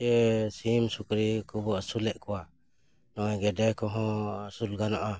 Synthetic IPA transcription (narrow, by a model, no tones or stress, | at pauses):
ɛsimsukɾikubɔasulɛʔkuwa | nɔjɡɛdɛkɔɦɔ̃asulɡanɔʔa